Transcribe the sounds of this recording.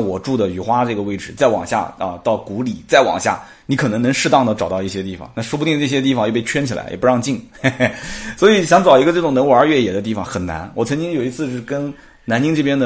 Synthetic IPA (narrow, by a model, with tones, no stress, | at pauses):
ŋwɔ˨˩ʈ͡ʂu˥˩d̪ə˩y˨˩xwa˥ʈ͡ʂɤ˥˩ɡə˩we˥ɪʈ͡ʂɻ̩˨˩˦t͡sa˥˩ɪwɑ̰˨˩ŋɕja̰˥˧ə˧t̪ɑ˥˩ʊku˧˥li˨˩t͡sa˥˩ɪwɑ̰˨˩ŋɕja̰˥˩ | ni˧˥kʰɤ˨˩nɤ˧˥ŋnɤ˧˥ŋʂɻ̩˥˧t̪ɑ˥˩ŋd̪ə˩ʈ͡ʂɑ˨˩ʊt̪ɑ˥˧i˥˩ɕjɛ˥t̪i˥˩fɑ̰˩˦ŋna˥˩ʂwpu˧t̪i˥˧ʈ͡ʂɤ˥˩ɕjɛ˥t̪̬i˥˩fɑ˨ŋjpe˥˩ɪt͡ɕʰɥɛ˥nt͡ɕʰi˨˩la̰˧˥ɪjɛ̰˨˩pu˧˥ɑ˥˧ŋt͡ɕi˥˩ŋ | swɔ˧˥i˨˧˩ɕjɑ˧˥ŋt͡sɑ˨˩ʊi˧˥ɡə˧ʈ͡ʂɤ˥˩ʈ͡ʂʊ˨˩ŋnə˧˥nwu˧ə˞˧˥˧ɥɛ˥˩jɛ˨˩d̪ə˦t̪̬i˥˩fɑ˨˩ŋxə˨˩nna̰˧˥nwɔ˨˩t͡sʰɤ˧˥ŋt͡ɕi˥ŋjo˨˩ʊi˧˥t͡sʰɹ̩˥˧ʂ̩˥˩kə˥n | na˧˥nt͡ɕi˥ŋʈ͡ʂɤ˥˩pjɛ˥nd̪ə˨